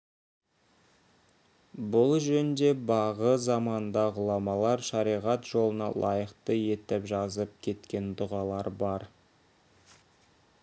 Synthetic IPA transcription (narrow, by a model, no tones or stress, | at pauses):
bʊlˠʒɵnnd̪e̞bɑʁəzɑmɑnd̪ɑʁʊlˠɑmɑlˠɑɾʃɑɾijʁɑt̪ʒo̞lˠənɑ̰lˠʔɑ̰jəqt̪əje̞t̪ɪpʒɑzəp̚kʲʰe̞t̪kʲe̞nd̪ʊʁɑlˠɑɾbɑɾ